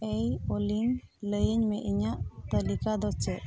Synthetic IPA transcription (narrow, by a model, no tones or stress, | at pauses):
ejoliŋləjəɲmɛʔiɲaʔt̪əlikad̪ɔt͡ʃɛʔ